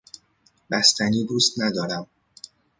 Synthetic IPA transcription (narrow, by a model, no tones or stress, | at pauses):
bæst̪ʰæniːd̪uːst̪næd̪ɒːɾæm